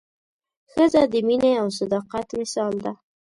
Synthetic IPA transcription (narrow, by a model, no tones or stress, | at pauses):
xəzad̪əmineaws̬ad̪ɑqat̪mɪsɑld̪a